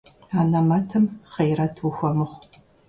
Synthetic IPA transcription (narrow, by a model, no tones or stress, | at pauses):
aːnɐmɐtʰɨmχejrɐtʰwuxʷɔmɨχʷ